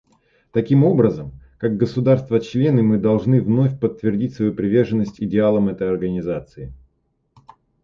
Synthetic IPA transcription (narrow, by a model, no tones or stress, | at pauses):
t̪ɐkʲimo̞bɾəzəmkaɡ̚ɡəsʊd̪arst̪vət͡ɕlʲe̞nɨmɨd̪ɐlˠʐnɨvno̞fʲpət̪ːvʲɪrdʲitʲsvɐjupɾʲɪvʲe̞rʐɨnːəsʲtʲɪdʲɪalˠəmɛt̪əjɐrɡənʲɪzat̪sɨɪ